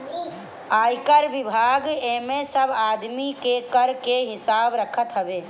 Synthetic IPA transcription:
aːjkəɾʋɪbʱaːɡemesəbʱaːd̪mikekəɾkeɦɪsaːbɾəkʰət̪ɦəbeː

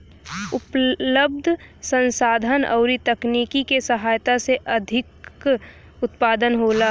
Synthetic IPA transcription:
ʊpləb̚d̪ʱsə̃nsaːd̪ʱənɔ̰ʊɾit̪ɐkniːkikesəɦaːjt̪aseʔɐd̪ʱɪk | ʊt̪paːd̪ənɦoːlaː

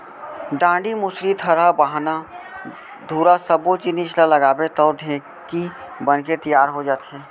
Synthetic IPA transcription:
ɖãːɳɖimʊsɾit̪ʰəɾabaɦna | d̪ʱuːɾasəbot͡ʃɪniʃlaləɡaːbet̪ɔːɖʱẽ | kibənket̪əjaːɾɦod͡ʒaːt̪ɦɛː

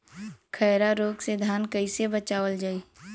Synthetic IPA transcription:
kʰɛːɾaɾoːɡsed̪ʱaːnkəisebət͡ʃaːʋəld͡ʒaːiː

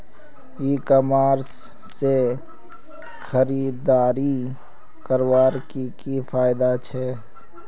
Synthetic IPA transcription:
iːkɔmaːɾsː | e | xəɾiːd̪aːɾi | kəɾwaːɾkikifʰaːɪd̪at͡ʃʰɛ

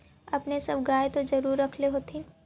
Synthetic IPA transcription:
ɐpnesɐbɡaːjet̪od͡ʒɐɾuːɾːɐkʰleɦoːt̪ʰẽ

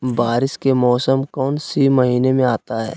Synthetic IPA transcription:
baːɾɪskemɔːsəmkɔːnsimɐɦiːnemẽaːt̪aɦɛ̰ː

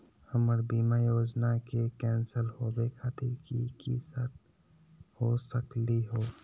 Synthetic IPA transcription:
həməɾbiːmajoːd͡ʒnakekɛːnsəlɦobekʰat̪ʰikikḭsət̪ | hosəkliɦoː

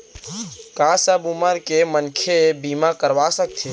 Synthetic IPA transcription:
kasəbuməɾkemənkʰebiːmakəɾʋasək̚t̪ʰe

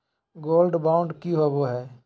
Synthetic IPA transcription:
ɡoːlɖbaːʊ̃ɳɖkiɦoʋoɦɛː

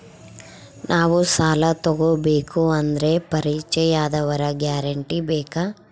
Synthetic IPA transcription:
nʔaːʋusaːlɐt̪ɔɡobeːkuɐnd̪ɐɾe̞pɐɾit͡ʃɛjaːd̪ɐʋɐɾɐɡjaːɾɐɳʈibɛːka

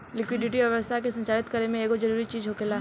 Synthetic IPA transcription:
lɪkwɪɖɪʈ̬iʋjɐʋəst̪ʰakesɐ̃nt͡ʃaːɾɪt̪kɐɾemẽeːkod͡ʒɐɾuːɾit͡ʃiːd͡ʒɦokelaː

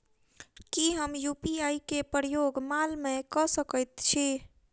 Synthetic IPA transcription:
kiɦəmjupiaikepɾəjoɡmalmẽkɔsəkət̪t͡ʃʰi

